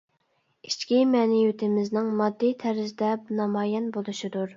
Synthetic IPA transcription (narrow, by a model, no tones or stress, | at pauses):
it͡ʃkʲimɛnɪjyt̪ʰɪmɪznɪŋmɑd̪ːijt̪ʰæɾɪzd̪ɛpnɑmɑːjɛnbolˠuʃid̪uɾ